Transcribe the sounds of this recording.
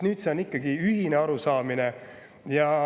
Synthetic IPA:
nyːd̪̥se̞o̞nikːˑɑɡiyɦineɑɾusɑːmine | jɑ

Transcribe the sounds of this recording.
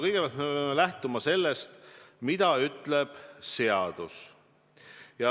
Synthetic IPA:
kɤjɡe̥ɑlt̪me̞peɑmelæht̪umɑse̞lːest̪mid̪̥ɑyt̪le̞b̥se̞ɑd̪̥us | jɑ

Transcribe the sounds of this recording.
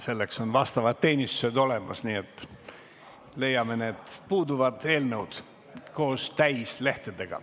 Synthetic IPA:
se̞lːe̞kso̞nvɑst̪ɑvɑd̪̥̚t̪ːe̞ːnʲist̪u̥se̞d̪o̞le̞mɑ̰sniːet̪ːˑ | le̞jːɑme̞ne̞ːd̪̥puːd̪uvɑd̪̥e̞ːlnəwd̪̥ | ko̞ːst̪æjsle̞ht̪ed̪̥e̞ɡ̥ɑ̰

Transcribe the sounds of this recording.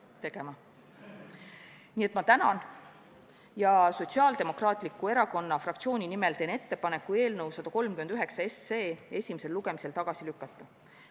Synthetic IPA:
t̪e̞ɡ̥e̞mɑ | niːe̞t̪mɑt̪ænɑ̰n | jɑso̞t̪siɑːld̪e̞mo̞krɑːt̪ˑlikːˑue̞ɾɑko̞nːɑfrɑk̚t̪sio̞ːnʲinimelt̪e̞ːne̞t̪ːe̞pɑne̞kːˑue̞ːlnəwsɑd̪̥ɑko̞lmkymend̪yɦe̞ksɑesːe̞ːe̞sʲimese̞lluɡ̥e̞mise̞lt̪ɑɡ̥ɑsilykːˑɑt̪ˑːɑ

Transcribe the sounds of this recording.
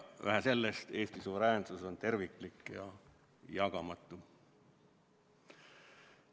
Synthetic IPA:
ʋæ̰ɦæse̞lːest̪e̞ːst̪isuvɾæːnsuso̞nt̪e̞rvikˑlikˑjɑ | jɑɡ̥ɑmɑt̪ːˑu

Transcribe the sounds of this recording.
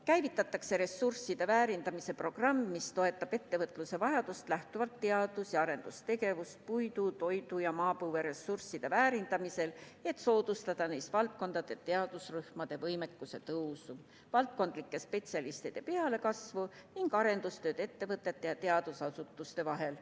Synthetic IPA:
kæjvit̪ːˑɑt̪ːˑɑkse̞ɾe̞sursid̪e̞væːɾind̪ɑmise̞pro̞ɡ̥rɑmːist̪o̞e̞t̪ːˑɑb̥e̞t̪ːe̞vɤt̪ˑluse̞vɑjɑd̪̥ust̪læht̪uvɑlt̪ːe̞ɑd̪̥usjɑɑɾe̞nd̪ust̪e̞ɡe̞vust̪̚pujd̪ut̪o̞jd̪̥ujɑmɑːpuːve̞ɾe̞sursːid̪̥e̞væːɾind̪̥ɑmise̞le̞t̪ːˑso̞ːd̪̥ust̪ɑd̪̥ɑnejst̪vɑlt̪̚ko̞nd̪̥ɑd̪̥e̞t̪e̞ɑd̪̥usryhmɑd̪̥e̞vɤjme̞kːˑuse̞t̪ɤwsu | vɑlt̪̚ko̞nd̪̥likːe̞spe̞t̪siɑlist̪id̪̥e̞pe̞ɑle̞kɑsvuniŋɡ̥ɑɾe̞nd̪̥ust̪ø̞ːd̪e̞t̪ːe̞vɤt̪ːˑe̞t̪ːe̞jɑt̪e̞ɑd̪̥usɑsut̪ːˑust̪e̞vɑɦe̞l

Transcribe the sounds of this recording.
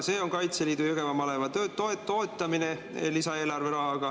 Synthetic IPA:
se̞ːo̞ŋkɑjt̪seliːd̪ujuɡ̥e̞vɑmɑlevɑt̪øːt̪ːoeo̞ːt̪ːˑɑminelisɑe̞ːlɑrve̞ɾɑɦɑɡ̥ɑ

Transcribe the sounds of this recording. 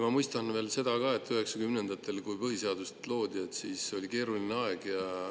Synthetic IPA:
mɑmujst̪ɑnve̞ːlse̞d̪ɑkɑe̞t̪ːˑyɦe̞ksɑkymne̞nd̪̥ɑt̪ːˑe̞lkujpɤɦiseɑd̪̥ust̪lo̞ːd̪ʲiet̪ːsiːso̞lʲike̞ːɾulineɑe̞ɡ̥jɑ

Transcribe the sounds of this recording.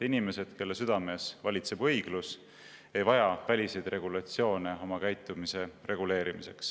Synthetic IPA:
inime̞se̞d̪̥ke̞lːesyd̪̥ɑme̞ːsvɑlʲit̪se̞b̥ɤjɡ̥lus | e̞jvɑjɑvælʲise̞jd̪̥re̞ɡ̥ulɑt̪sio̞ːne̞o̞mɑkæjt̪ːˑumise̞re̞ɡule̞ːɾimise̞ks

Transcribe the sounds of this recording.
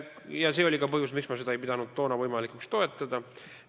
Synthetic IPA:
jɑse̞ːo̞lʲikɑpɤhjusmiksmɑse̞d̪ɑe̞jpid̪̥ɑnud̪̚t̪ːo̞ːnɑvɤjmɑlikˑukst̪o̞e̞t̪ːˑɑd̪̥ɑ

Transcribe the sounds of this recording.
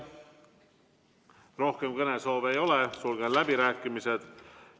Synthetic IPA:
ro̞hke̞mkɤne̞soːve̞jo̞lesulɡ̥enlæbiɾæːkːˑimised̪̥

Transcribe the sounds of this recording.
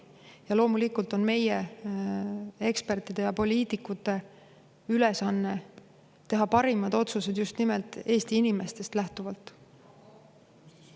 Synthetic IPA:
jɑlo̞ːmulikult̪o̞nme̞je | e̞kspe̞rt̪ˑid̪̥e̞jɑpo̞lʲiːt̪ˑikːˑut̪ːˑe̞ | ylesɑnːe̞ | t̪e̞ɦɑpɑɾimɑd̪̥o̞t̪suse̞d̪̥just̪nimelt̪ːˑe̞ːst̪iinime̞st̪e̞st̪læht̪uvɑlt̪ˑ

